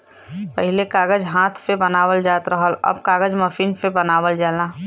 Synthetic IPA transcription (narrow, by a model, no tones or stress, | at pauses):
pəɦɪlekaːɡəd͡ʒɦãːt̪ʰpebɐnaːʋəld͡ʒaːt̪ɾəɦəlɐ̰bkaːɡəd͡ʒməfiːnpebɐnaːʋəld͡ʒaːlaː